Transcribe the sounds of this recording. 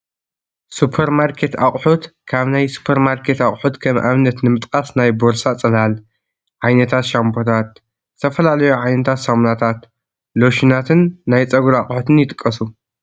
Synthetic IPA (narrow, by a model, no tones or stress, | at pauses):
supʰeɾmaɾkʰe̞t̪ʰaχʼħut̪kʰaβnajsu̥pʰeɾmaɾkʰe̞t̪aχʼħut̪kʰɐmʔaβnɐt̪nɨmɨt̪ʼkʼasnajboɾsat͡sʼɐlhal | ʕajnɐt̪ʰat̪ʃambʰo̞t̪ʰat̪̚ | zɨt̪ʰɐfɐlalɐjuʕajnɐt̪ʰat̪samnat̪ʰat̪ | loʃinat̪ʰɨnːajt͡sʼɐɡuɾaχʼħut̪ɨnjɪt̪ʼɨkʼːɐsu